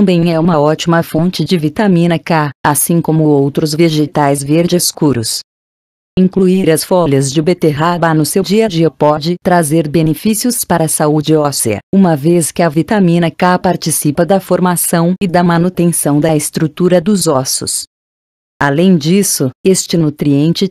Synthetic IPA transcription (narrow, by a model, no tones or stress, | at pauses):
t̪ɐ̃mbẽj̃ɛũmɐɔt͡ʃimɐfõnt͡ʃɪd͡ʒɪvit̪amĩnɐkaasĩkõmʊowt̪ɾʊzveʒet̪ajzveɾd͡ʒɪskuɾʊ̰s | ĩŋkluiɾɐsfɔlɐzd͡ʒɪbet̪eɦabanʊsewd͡ʒiɐd͡ʒiɐpɔd͡ʒɪt̪ɾazeɾbenefisijʊspaɾɐsaud͡ʒɪɔseɐ̰ũmɐveskɪɐvit̪amĩnɐkapaɾt͡ʃisipɐd̪ɐfoɾmasɐ̃w̃ɪd̪ɐmɐ̃nut̪ẽsɐ̃w̃d̪ɐɪst̪ɾut̪uɾɐd̪ʊzɔsʊ̰s | alẽj̃d͡ʒisʊest͡ʃɪnut̪ɾiẽnt͡ʃɪ